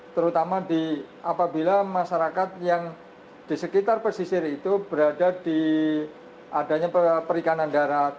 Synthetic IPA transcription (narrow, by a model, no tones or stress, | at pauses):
t̪əɾut̪amadiʔapabilamaʃaɾakat̪̚jaŋ | d̥isəkit̪arpərsisɪrit̪ubəɾadadi | adaɲapəpəɾikanandaɾat̪̚